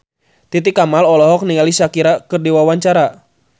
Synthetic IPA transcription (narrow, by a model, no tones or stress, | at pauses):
t̪it̪ikamalɔlɔɦɔk̚niŋalisakiɾakɨrdiwawaɲt͡ʃaɾa